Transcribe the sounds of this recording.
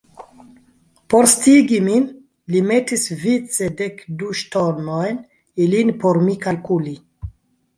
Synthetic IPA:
po̞ɾstiɡimin | lime̞tisvit͡sedekduʃtonojn | ilinpoɾmikalkuli

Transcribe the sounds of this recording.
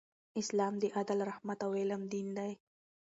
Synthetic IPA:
ɪslaːmd̪iʔad̪alɾɐhmat̪aweːlɐmd̪iːnd̪aj

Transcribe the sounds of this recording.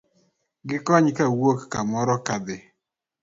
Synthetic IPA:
ɡɪkɔɲkawokːamɔɾɔkad̪ɪ

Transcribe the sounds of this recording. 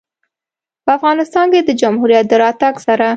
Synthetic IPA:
pəafɣɑnɪst̪ɑnked̪əd͡ʒamhuɾijat̪̚d̪əɾɑt̪aɡsaɾa

